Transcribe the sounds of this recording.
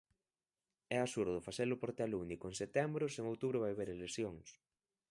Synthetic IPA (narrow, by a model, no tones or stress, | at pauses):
ɛasuɾðʊfaseɾlʊpoɾt̪alunikoeŋset̪ɛmbɾʊseŋowt̪uβɾʊβ̞ajβeɾelesjoŋs